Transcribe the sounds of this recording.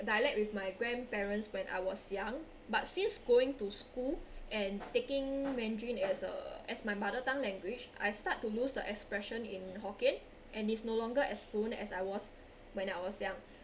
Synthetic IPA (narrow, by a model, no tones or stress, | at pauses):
dajlɛk̚wifmajɡɹɛ̃npɛɹə̃ntswɛ̃nʔa̰jwɔsjãŋ | bat̚sĩnsɡoɪ̃ŋtuskulʔɛ̃ntekɪ̃ŋmɛ̃ndɹĩnɛsə̰ɛsmajmadətãŋlɛ̃ŋɡwit͡ʃʔa̰jstatːulusdəʔɛkspɹɛʃə̃nḭ̃nɦɔkẽn | ʔɛ̃nitsnolɔ̃ŋɡəʔɛsfõnɛ̰sajwɔs | wɛ̃naɪwɔsjãŋ